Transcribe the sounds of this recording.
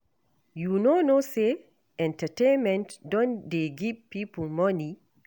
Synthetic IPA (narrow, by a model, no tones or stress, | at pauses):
junonose | ʔɛ̃ntatẽnmɛ̃ntdɔ̃ndeɡivpiplmani